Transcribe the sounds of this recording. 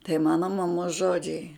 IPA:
tɐɪ ˈmɑːnɐ mɐˈmoːs ˈʒoːd͡ʒʲɛɪ

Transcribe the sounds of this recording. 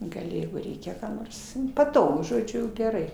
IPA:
ɡɐˈlʲɪ ˈjɛɪɡʊ ˈrʲɛɪkʲɛ ˈkɑː noːrs nʊ pɐˈtoːɡʊ ʒoːˈd͡ʒʲʊ ɡʲɛˈrɐɪ

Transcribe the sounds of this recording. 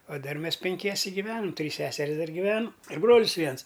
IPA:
oː ˈdɐr ˈmʲɛs pʲɛŋʲˈkʲiɛsʲɛ ɡʲɪˈʋʲæːnɐm ˈtʲrʲiːs ˈsʲæːsʲɛrʲɪs ˈdɐr ɡʲɪˈʋʲæːnʊ ɪr ˈbroːlʲɪs ˈʋʲiɛns

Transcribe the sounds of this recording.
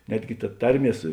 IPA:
ˈnʲæːdʲɡʲɪ tɐ ˈtɐrʲˌmʲiɛ ˈsʊ

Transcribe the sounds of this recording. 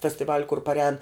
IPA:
fʲɛsʲtʲɪˈʋɑːlʲʊ kʊr pɐrʲˈɛːn

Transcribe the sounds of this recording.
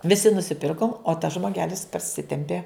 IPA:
ʋʲɪˈsʲɪ nʊsʲɪˈpʲɪrkoːm oː tɐs ʒmoːˈɡʲæːlʲɪs pɐrʲˈsʲɪtʲɛmʲpʲeː

